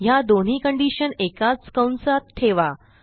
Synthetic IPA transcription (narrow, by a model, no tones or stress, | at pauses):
jad̪on̤iːkəɳɖiɕənekat͡skə̃wnsat̪ʈ̪ʰeʋa